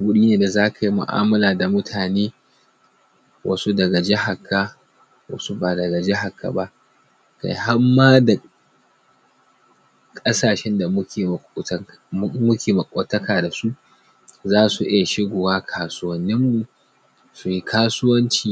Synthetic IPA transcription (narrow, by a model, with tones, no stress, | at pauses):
ɡʷʊ˦ɗiː˦neː˨da˨zaː˦kʰa˨ji˦mʊ̰˨ʔa̰ː˦mɐ˦laː˨da˨mʊ˦tʰaː˨neː˦ | wʔɐ̰˦su˦dɐ˨ɡɐ˨d͡ʒɛ˦ɦa˨kʰːa˦ | wɐ̰˦su˦ba˨dɐ˨ɡa˨d͡ʒɛ˦ɦa˨kʰːa̰˨ba˦ʔ | ka̰˨jɦa˦mːaː˦da˨ | kʼɐ˦saː˨ʃɛ˦nda˨mʊ˦kʲeː˨˦ | mʊ˦kʲʰeː˨mɐ˨kʼoː˨tɐ˦kaː˨da˨su˦ʔ | zaː˦su˨ʔɪ˦ja˨ʃɪ˦ɡoː˨waː˦kʰaː˨sʊ˦wɐ˦nːɪ˦mːu˨ | su˨ji˦kʰaː˦sʊ˦wɐ˦nt͡ʃiː˦˨